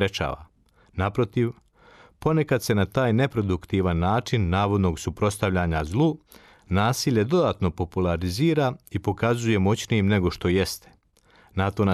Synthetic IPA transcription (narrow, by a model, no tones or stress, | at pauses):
et͡ʃa̰ːʋa̰ | napɾo̞t̪iʋ | po̞ne̞kad̪se̞nat̪aːjne̞pɾo̞d̪ukt̪iʋanːaːt͡ʃinːaːʋo̞d̪no̞ɡsupɾo̞st̪aʋʎaɲazlˠuː | naːsiːʎe̞d̪o̞d̪at̪no̞po̞pulˠaɾiziːɾaipo̞kazuje̞mo̞t͡ɕnijimne̞ɡo̞ʃt̪o̞je̞st̪e̥ | nat̪o̞na